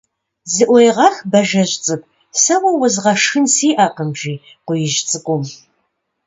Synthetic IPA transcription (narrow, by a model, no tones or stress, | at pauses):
zɨʔʷɔjʁɑxbɐʒɐʑt͡sʼɨp | sɐwɐwʊzʁɐʂxɨnsiːʔaːqəmʒiː | qʷʊjɪʒt͡sʼɨkʷʼum